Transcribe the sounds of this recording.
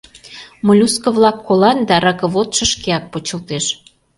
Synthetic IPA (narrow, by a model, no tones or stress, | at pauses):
molʲuskɤ̆βlɑkːolɑnd̪ɑɾɑkə̆βot̪ʃə̆ʃkeɑk̚pot͡ɕə̆lt̪eʃ